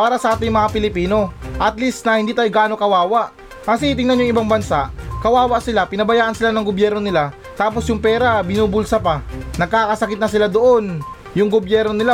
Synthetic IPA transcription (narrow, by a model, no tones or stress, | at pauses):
paːɾɐsɐʔaːt̪ɪŋmɐŋapɪlɪpiːno̞ʔɐt̪list̪nɐhɪnd̪iːt̪aːjɡaːnokɐwaːwaʔ | mɐs̬it̪̬ɪŋnanjʊŋɪbaŋbɐnsaʔkɐwaːwɐʔsɪlapɪnɐbɐjaːʔɐnsɪlanɐŋɡobjɛɾno̞nɪla | t̪aːp̬o̞sjʊŋpɛːɾabɪnuːbʊlsɐpanɐɡ̚kaːkɐsɐkɪt̪̚nɐsɪlad̪oʔo̞n | jʊŋɡobjɛɾno̞nɪla